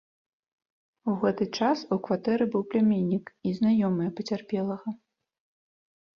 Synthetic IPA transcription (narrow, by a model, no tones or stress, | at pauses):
uɣɛt̪ɨt͡ʂasukvat̪ɛɾɨbɨwplʲamʲenʲːikiznajɔmɨjɛpɐt͡sʲarpʲɛlˠɐɣɐ